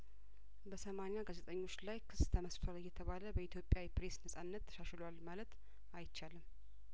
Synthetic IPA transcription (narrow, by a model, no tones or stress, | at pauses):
bəsəmanjaɡazet̪ʼəɲːo̞t͡ʃːlajkʰɨst̪ʰəməsfəɾɨjːɛt̪ʰəβaləbəit̪ʰjo̞pʼːjawipɾe̞snəsʼanːət̪ʰːə̥ʃaʃlowalmalət̪ | ajt͡ʃːalɨm